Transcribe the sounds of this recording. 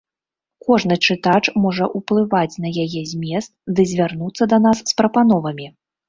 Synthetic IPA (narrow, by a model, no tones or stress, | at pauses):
kɔʐnɨt͡ʂɨt̪at͡ʂmɔʐɐʔuplˠɨvat͡sʲnɐjajɛzʲmʲɛst̪d̪ɨzʲvʲarnut̪sːɐd̪ɐn̪asːpɾɐpanɔvɐmʲi